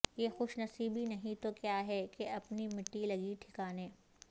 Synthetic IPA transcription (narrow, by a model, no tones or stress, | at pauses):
jexʊʃnɐsiːbʱinɐɦĩt̪okjaːɦɛkeɐpnimɪʈːilɐɡiʈʰɪ̥kaːnẽː